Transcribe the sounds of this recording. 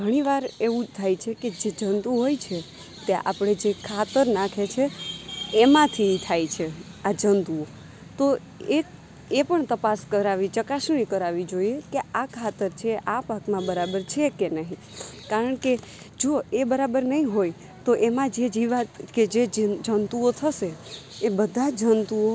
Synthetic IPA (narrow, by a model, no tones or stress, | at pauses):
ɡʱəɽ̃iʋaɾeʋũt̪ʰajt͡ʃʰeked͡ʒed͡ʒənd̪ũɦojt͡ʃʰe | t̪jaʔa̰pɽ̃ed͡ʒekʰat̪əɾnakʰet͡ʃʰeː | mãt̪ʰit̪ʰajt͡ʃʰe | ad͡ʒənd̪uo | t̪o | e | epəɳt̪əpaskəɾaʋit͡ʃəkasɽ̃ikəɾaʋid͡ʒoiekeakʰat̪əɾt͡ʃʰeʔapakmãbəɾabəɾt͡ʃʰekenəɦĩ | kaɾəɳke | d͡ʒoebəɾabəɾnəɦĩɦoj | t̪oʔemãd͡ʒed͡ʒiʋaked͡ʒed͡ʒənt̪uot̪ʰəʃeebəd̪ʱad͡ʒənt̪uo